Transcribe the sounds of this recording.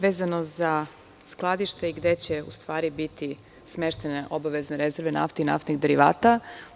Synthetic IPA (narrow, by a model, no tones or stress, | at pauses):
ʋe̞ːzanoza | sklˠad̪iʃt̪veiɡd̪e̞t͡ɕe̞ṵst̪ʋaːɾibit̪i | smeʃt̪e̞neʔo̞baʋe̞zneɾezeɾʋena̰ft̪eina̰ft̪niɡd̪eɾiʋa̰ːt̪a